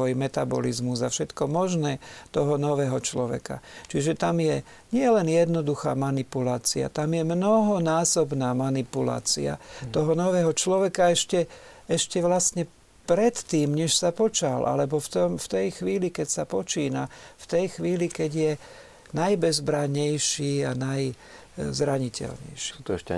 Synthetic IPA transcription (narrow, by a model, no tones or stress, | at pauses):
ɔjmɛt̪abɔ̰lizmuzafʃɛt̪kɔmɔʒnɛːt̪ɔɦɔnɔʋɛːɦɔt͡ʃlɔʋɛ̰ka̰t͡ʃiʒɛt̪amjɛ | ɲɪɛlɛnjɛd̪nɔd̪uxa̰ːmanipulaːt͡sḭa̰t̪amjɛmnɔɦɔnaːsɔbnaːmanipula̰ːt͡sḭa̰t̪ɔɦɔnɔʋɛːɦɔt͡ʃlɔʋɛkaɛʃcɛ | ɛʃcɛʋlasɲɛ | pɾɛt̪ːiːmɲɛʃsapɔt͡ʃalʔa̰lɛbɔft̪ɔmft̪ɛjxʋiːlikɛcsapɔt͡ʃiːnaft̪ɛjxʋiːlikɛɟjɛ | najbɛzbɾaɲɛjʃiːanaj | zɾaɲicɛ̰lɲɛ̰jʃut̪ɔɛʃɛ